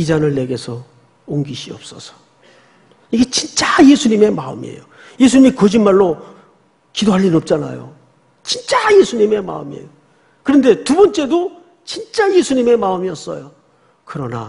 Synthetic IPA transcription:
id͡ʑanɯɭːe̞ɡe̞sʰʌ | oŋɡiɕʰiʌp̚s͈ʌ̰sʰʌ̥ | iɡe̞t͡ɕint͡ɕ͈aje̞sʰuɲime̞maɯ̰mḭḛjo | je̞sʰuɲimikʌd͡ʑinmaɭːo | kidoɦaʎːinɯnʌp̚t͡ɕ͈ana̰jo̰ | t͡ɕint͡ɕ͈aje̞sʰuɲime̞ma̰ɯmiḛjo | kɯɾʌnde̞tubʌnt͡ɕ͈e̞do | t͡ɕint͡ɕ͈ajesʰuɲime̞maɯmiʌs͈ʌ̰jo | kɯɾʌna̰

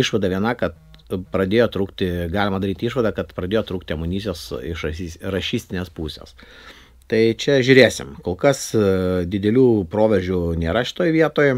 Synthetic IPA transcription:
ɪʃʋɐd̪ɐʋʲiɛnɐkɐt̪ | pɾɐd̪ʲeːjoːt̪ɾuːkt̪ʲɪɡɑːlʲɪmɐd̪ɐɾʲiːt̪ʲiʃʋɐd̪ɑːkɐt̪pɾɐd̪ʲeːjoːt̪ɾuːk̚t̪ʲɪɐmʊnʲiːsʲjoːsɪʃɐsʲirɐʃʲiːsʲt̪ʲɪnʲeːspuːsʲḛːs | t̪ɐɪt͡ʃʲɛʒʲʊːɾʲeːsʲɪ̰mkoːlˠkɐsd̪ʲɪd̪ʲɛlʲuːpɾoːʋʲɛʒʲuːnʲeːɾɐʃʲɪ̥t̪oːjʋʲiɛt̪oːj

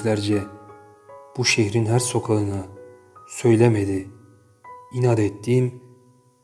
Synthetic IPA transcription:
lʲæɾd͡ʒɛ | b̥uʃeçɾinɦæɾso̞kʰalˠɯnɯ | sø̞jlʲemed̪i | inaːd̪et̪ʰːiːm

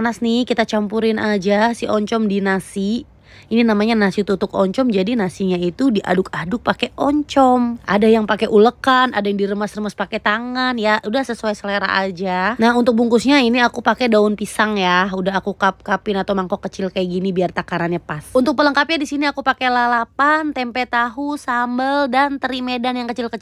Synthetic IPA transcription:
anasnihkit̪at͡ʃampuɾɪnʔad͡ʒasiɔɲt͡ʃɔmdinasi | ininamaɲanasit̪ut̪ʊk̚ɔɲt͡ʃɔmd͡ʒadinasiɲait̪udiʔa̰dʊkadʊk̚pakɛʔɔɲt͡ʃɔmʔa̰dajaŋpakɛʔuləkana̰dajaŋdiɾəmasrəmaspakɛt̪aŋanjaudahsəsuajsəleɾa̰ʔa̰d͡ʒanaɦunt̪ʊk̚buŋkʊsɲainiakupakɛdaʊnpisaŋjaudaɦakukap̚kapɪnat̪awmaŋkɔkət͡ʃɪlkajaɡinibiart̪akaɾanɲapasunt̪ʊk̚pələŋkap̚ɲadisiniakupakɛlalapant̪ɛmpɛt̪aɦusambəldant̪əɾimedanjaŋkət͡ʃɪlkət͡ʃ

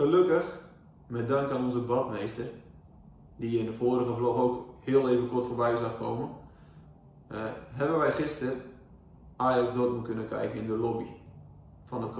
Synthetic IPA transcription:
χəløkəx | mɛdaŋkanɔnzəbɔtmejstər | dijəɪndəfoːɾəɣəfloɣowkhɪəlˠeːvənkɔrtfoːrbɛjəzaχkʰo̰wmən | ɦɛbənʋɛjχɪstər | aːjɔsdotməkønəkʰɛ̰jkənɪndəlobi | fɔnət

